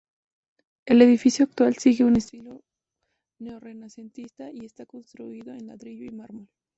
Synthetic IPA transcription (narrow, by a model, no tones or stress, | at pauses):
e̞le̞ðifisjoak̚t̪walsiɣe̞une̞st̪ilo | ne̞ore̞nase̞nt̪ist̪aie̞st̪ako̞nst̪ɾuiðo̞enlaðɾiʎoimaɾmol